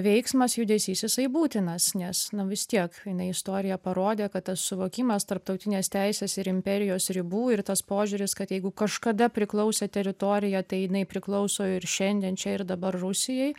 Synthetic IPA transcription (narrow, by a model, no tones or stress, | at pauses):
ʋʲɛɪksmɐsjʊd̪ʲɛsʲiːsʲjɪsɐɪbuːt̪ʲɪnɐsnʲɛsnʊʋʲɪst̪ʲiɛkjɪnɐɪɪst̪oːɾʲɪjɛpɐɾoːd̪ʲeːkɐt̪t̪ːɐssʊʋoːkʲiːmɐst̪ɐɾp̚t̪ɐʊt̪ʲɪnʲeːst̪ʲɛɪsʲeːsɪɾɪmʲpʲɛɾʲɪjoːsɾʲɪbuːɪrt̪ɐspoːʒʲʊːɾʲɪskɐt̪jɛɪɡʊkɐʃkɐd̪ɐpʲɾʲɪklˠɐʊsʲeːt̪ʲɛɾʲɪt̪oːɾʲɪjɛt̪ɐɪjɪnɐɪpʲɾʲɪklˠɐʊsoːɪɾʃʲɛnʲd̪ʲeːnt͡ʃʲɛɪɾd̪ɐbɐrrʊsʲɪjɛɪ